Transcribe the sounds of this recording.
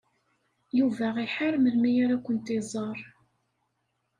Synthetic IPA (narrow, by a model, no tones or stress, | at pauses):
juvæʁiħaɾməlmijaɾækʷːənt̪izˤəɾˤ